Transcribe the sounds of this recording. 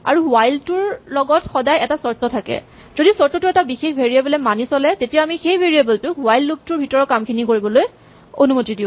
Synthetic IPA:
a̰ɹuwajltʊɹlɔɡɔtxɔdajɛtasɔɹtɔtʰakɛ̰ | z̥odisɔɹtɔtʊɛtabixexbʱeɹiabɛlɛmanisɔlɛtetijaamixejbʱeɹiabɛltʊwajlːuk̚tʊɹbʱitɔɹɔkamkʰinikoɹibɔloj | onumotidiʊ̃

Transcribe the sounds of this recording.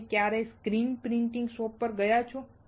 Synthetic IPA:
kjaɾeskɾinpɾiɳʈĩŋɡsopːəɾɡəjat͡ʃʰo

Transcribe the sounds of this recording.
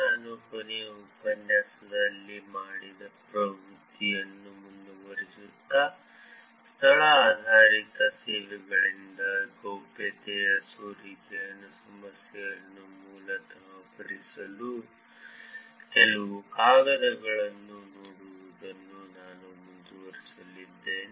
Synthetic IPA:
naːnupɐniupɐnjaːsɐd̪ɐlːimaːɽid̪ɐpɾɐɡʱɾut̪ːijɐnːumund̪uʋɐɾisut̪ːɐ | st̪ʰɐɭɐaːd̪ʱaːɾit̪ɐseːʋɛɡɐɭind̪ɐɡoːpɛt̪ɛjɐsoːɾikɛjɐnɐsɐmɐsjɛjɐnːumuːlɐt̪ɐpɐɾisɐlu | kɛlɐʋukaːɡɐɾɐɡɐɭɐnːunoːɽuʋud̪ɐnːunaːnumund̪uʋɐɾisɐlid̪ːeːni

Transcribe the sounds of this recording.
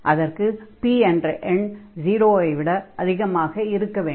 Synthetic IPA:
ʔɐðɐrkɯpiɛnrɐʔɛnd͡ʒiːɾoːɐɪʋɪɽɐʔɐðɪɣɐmaːɣɐɪɾɯkːɐʋeː

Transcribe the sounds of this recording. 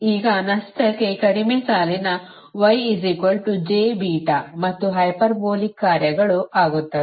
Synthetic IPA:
iːɡɐnɐsʈ̪ʰɐkːekɐɽimesaːlinɐ | ʋɐjizikʋɐlʈud͡ʒeːbiːʈɐmɐt̪ːuɦɐjpɐɾboːlikːaːɾjɐɡɐɭuʔaːɡut̪ːɐ

